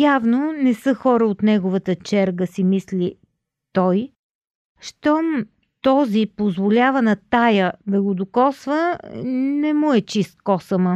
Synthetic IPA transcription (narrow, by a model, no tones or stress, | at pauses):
javnonɛsɤxɔɾəot̪nɛɡovət̪ət͡ʃɛɾɡəsimisli | t̪ɔj | ʃt̪ɔm | t̪ɔzipozvolʲavənɐt̪ajəd̪ɐɡod̪okɔsvə | nɛmuɛt͡ʃist̪̚kɔsəmə